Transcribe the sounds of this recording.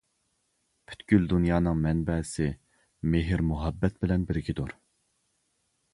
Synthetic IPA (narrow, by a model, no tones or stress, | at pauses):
pʰy̥t̪kʲyld̪unjɑːnɨŋmɛnbɛsɪ | meɦɪɾmuɦɑbːɛt̪bɪlɛnbɪɾɡʲid̪oɾ